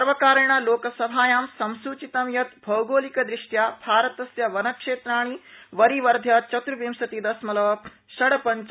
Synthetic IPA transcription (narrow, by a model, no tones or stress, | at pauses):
sɐɾʋɐkaːɾɐɳ̃aloːkɐsɐbʱaːjaːmsɐmsuːt͡ʃit̪ɐmjɐt̪bʱɐwɡoːlikɐd̪ɾɪʂʈjaːbʱaːɾɐt̪ɐsjɐʋɐnɐkʂeːt̪ɾaːɳ̃iʋɐɾiʋɐɾd̪ʱjɐt͡ʃɐt̪ɾuʋimsɐt̪id̪ɐsmɐlɐʋɐ | ʃɐɽɐpɐɲt͡ʃ